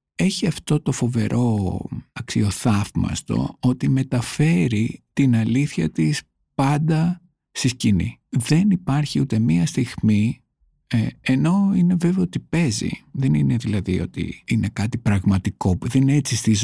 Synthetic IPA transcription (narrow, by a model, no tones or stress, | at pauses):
e̞çiɐft̪o̞t̪o̞fo̞ve̞ɾʔo̞ɐksio̞θɐvmɐ̰st̪o̞̰o̞t̪ime̞t̪ɐfe̞ɾit̪inɐliθçɐt̪is | pɐnd̪ɐ | st̪iscinḭðe̞nipɐɾçiut̪e̞miɐst̪iɣmi | eno̞ine̞ve̞veot̪ipe̞zḭðe̞nine̞ðilɐðio̞t̪ḭine̞kɐt̪ipɾɐɣmɐt̪iko̞uðeineet͡sist̪iz